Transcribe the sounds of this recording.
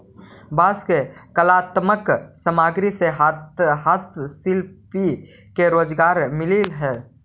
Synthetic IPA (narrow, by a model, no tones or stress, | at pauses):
baːskekəlaːt̪məksəmaːɡɾiseɦaɦaːt̪ʰsɪlpi | keɾoːd͡ʒɡaːɾmɪlilɦɛː